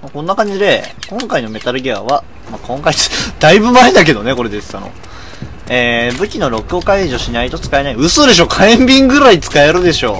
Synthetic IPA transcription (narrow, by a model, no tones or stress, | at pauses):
makõ̞nːakãɲ̟d͡ʑid̪e̞kõ̞ŋkainome̞t̪aɾɯ̟ɡʲea̰β̞a | makõ̞ŋkait͡sɨ̥d̪̥aibɯ̟maed̪ak̬e̞d̪o̞ne̞ko̞ɾe̞d̪e̞sɨ̥a̰no̞̰ | eːbɯ̟kʲino̞ɾo̞kɯ̟okaiʑo̞ɕinait̪ot͡sɨ̥kaenaiɯ̟sɨːd̪e̞ɕ̬o̞ːkʰaẽmbʲĩŋɡɯ̟ɾait͡sɨ̥kae̞ɾɯ̟d̪e̞ɕo̞ː